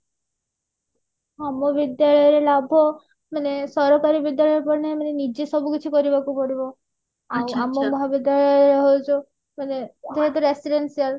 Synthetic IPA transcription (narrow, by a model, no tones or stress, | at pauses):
amɔbid̪jaɭɔjɔɾelabʱɔ | manesɔɾɔkaɾibid̪jaɭɔjɔɾpɔɾnemanenid͡ʒesɔbukit͡ʃʰikɔɾibakupɔɽibɔ | wamɔmɔɦabid̪jaɭɔjɔɾɔɦowt͡ʃʰu | maned͡ʒeɦet̪uɾesiɖensial